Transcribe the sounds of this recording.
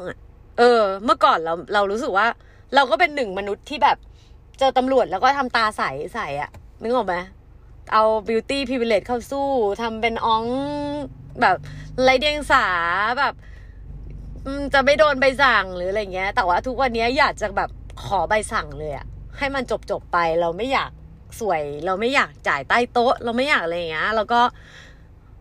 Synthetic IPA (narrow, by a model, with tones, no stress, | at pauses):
ŋa˨˩ | ʔɤː˧mɯ˥˩ɐkɔː˨˩nɾa˧wɾa˧wɾuː˦˥s̬ɯ˨˩k̚waː˥˩ | ɾa˧wkɔː˥˩pe˧nːɯ˨˩ŋma˧nu˦˥t̪ʰːiː˥˩bɛː˨˩p̚ | t͡ɕɤː˧t̪a˧mɾu˨˩ət̪̚lɛ˦wkɔː˥˩a˧mt̪aː˧sa˨˩˦jsa˨˩˦jʔa̰˨˩nɯ˨˩˦ŋʔɔː˨˩k̚ma˦˥j | ʔa˧wbi˧wt̪iː˥˩pʰiː˧bi˧le˦˥t̪̚kʰa˥˩wsuː˥˩t̪ʰa˧mpe˧nʔɔ˦˥ŋ | bɛː˨˩p̚la˦˥jdi˧əŋsaː˩˦bɛː˨˩p̚ | ʔɯː˧˩t͡ɕa˨˩ma˥˩jdoː˧nba˧jsa˨˩ŋlɯː˩˦la˧ja˨˩ŋːi˦˥ɐt̪ɛː˨˩waː˥˩t̪ʰu˦˥k̚wa˧nːi˦˥ɐjaː˨˩k̚t͡ɕa˨˩bɛː˨˩p̚kʰɔː˩˦ba˧jsa˨˩ŋlɤː˧jʔa̰˨˩ha˥˩jma˧nt͡ɕo˨˩p̚t͡ɕo˨˩pːa˧jɾa˧wma˥˩jaː˨˩k̚ | su˨˩˦əjɾa˧wma˥˩jaː˨˩k̚t͡ɕaː˨˩˦jt̪aː˥˩jt̪o˦˥ʔla˧wma˥˩jaː˨˩k̚laː˧ja˨˩ŋːi˦˥ɐlɛː˦˥wkɔː˥˩